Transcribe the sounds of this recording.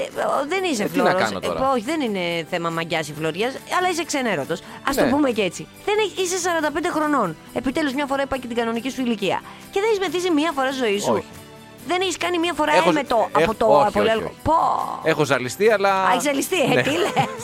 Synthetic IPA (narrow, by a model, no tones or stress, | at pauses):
ðenis̬efloɐɾɐ̰n̰o̰to̰oçiðenine̞θe̞mɐmɐɟɐsifloɾʝɐsɐlɐisekseneɾo̞t̪o̞sɐsopumece̞t͡si | ðeneis̬esɐɾɐnd̪ɐpend̪exɾo̞no̞n | e̞pit̪e̞luzmɲɐfo̞ɾɐipɐcet̪iɡɐno̞nicisuiliciɐ̰ | ce̞ðneçizmeθisimiɐfo̞ɾɐst̪izo̞isu | ðe̞neçiskɐnimiɐfo̞ɾɐmet̪oɐot̪opoliɐlopoexozɐlist̪iɐlɐeçizɐlist̪iet̪iles